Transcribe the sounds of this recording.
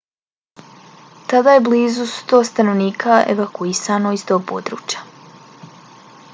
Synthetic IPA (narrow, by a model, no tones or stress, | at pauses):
t̪ad̪aje̞bliːzust̪oːst̪anoʋniːkʰaʔḛʋakuisano̞ist̪o̞ːpo̰d̪ɾṵːt͡ɕjḁ